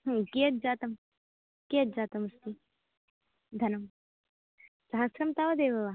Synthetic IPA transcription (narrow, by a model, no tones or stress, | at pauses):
ɦket̪̚d͡ʒaːt̪ɐm | keːt̪̚d͡ʒaːt̪ɐmɐst̪i | d̪ʱɐnɐm | sɐɦɐsɾɐmt̪aːʋɐd̪eːʋɐʋa